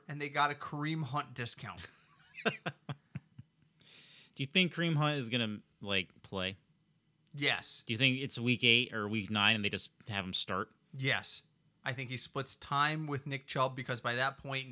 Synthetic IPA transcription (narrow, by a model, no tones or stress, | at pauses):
ɨ̃nðeɪɡɑɾɨkʰɹ̥ĩmɦʌ̃nd̥ɪskʰãʊ̃n | d̥ɨjɨθɪ̃ŋkʰːɹ̥ĩmɦʌ̃ntɨzɡʌnɨ | laɪk̚pʰl̥eɪ | jɛ̰sd̥ɨjɨθɪ̃ŋkɨtswikeɪtə˞wiknãɪ̃nɨn̩ðeɪd͡ʒʌshɨṽm̩stɑɹt̚ | jɛs | aɪθɪ̃ŋkhisplɪtstʰãɪ̃mwɪðnɪk̚t͡ʃʰɛl̚ˠbɨkʰʌzbaɪðɨt̚pʰɔ̃ɪ̃n